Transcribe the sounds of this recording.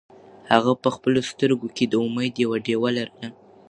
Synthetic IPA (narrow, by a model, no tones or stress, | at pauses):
haɣapəxpəlost̪əɾɡoked̪əuməjd̪jawaɖewalaɾəna